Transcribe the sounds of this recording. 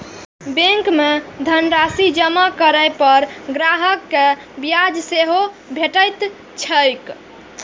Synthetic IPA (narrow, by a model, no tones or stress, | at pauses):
beŋkmed̪ʱənɾasid͡ʒəmakəɾəjpəɾɡɾaɦəkːe | bjad͡ʒseɦo | bʱeʈəjt̪ | t͡ʃʰəjk